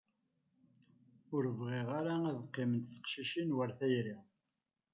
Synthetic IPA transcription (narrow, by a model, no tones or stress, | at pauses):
ʊɾəvʁiʁaɾaæðqːimənt̪θə̥qʃiʃinwəɾθæjɾi